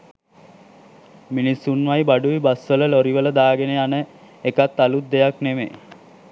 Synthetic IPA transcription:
minisunʋajbaɖuibasʋələloɾiʋələd̪aːɡeneanə | ekat̪ːalut̪̚d̪ejakneʋḛ

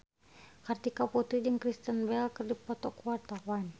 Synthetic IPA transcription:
kart̪ikaput̪ɾidəŋkɾist̪ənbɛlkərdipɔt̪ɔkuwart̪awan

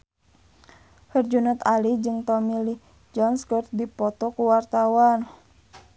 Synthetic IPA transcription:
hərd͡ʒunat̪alid͡ʒɨŋt̪ɔmili | d͡ʒɔnskɔrt̪̚dipɔt̪ɔkuwart̪awan

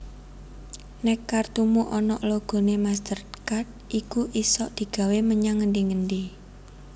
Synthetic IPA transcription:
nɛkːart̪umuʔɔnɔʔloɡ̥o̤nemast̪ərkat̪̚ʔikuʔisɔʔd̪̥i̤ɡ̥ä̤weməɲaŋːəndiŋənɖi

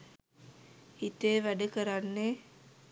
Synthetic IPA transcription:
hit̪eːʋæɖəkəɾanːe

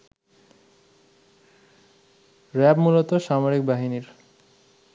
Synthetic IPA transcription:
ɾɛbmulot̪oʃamoɾik̚baɦiniɾ

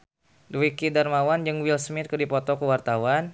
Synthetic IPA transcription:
dwikidarmawand͡ʒɨŋwilsmɪt̪̚kədipɔt̪ɔkəwart̪awan

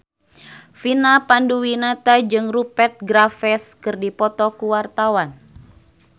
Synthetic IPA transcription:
finapanduwinat̪ad͡ʒɨŋrupɛt̪̚ɡɾafɛskɨrdipɔt̪ɔkuwart̪awan

